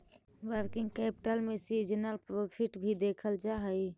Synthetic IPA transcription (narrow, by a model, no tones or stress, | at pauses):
wəɾkɪ̃ŋɡkɛpɪ̥ʈəlmẽsid͡ʒənəlpɾopʰiʈbʱid̪ekʰəld͡ʒaɦəj